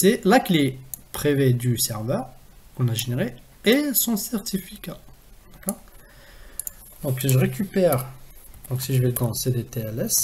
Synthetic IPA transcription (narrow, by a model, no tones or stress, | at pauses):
sɛlakilepχived̪ysɛʁvœʁ | ɔ̃naʒeneʁi | esɔ̃sɛʁt̪ʰifikad̪̥akɔːʁ | d̪ɔ̃kʒəʁekʲypɛʁd̪̥ɔ̃ksiʒəveld̪ɑ̃sed̪et̪eɛlɛs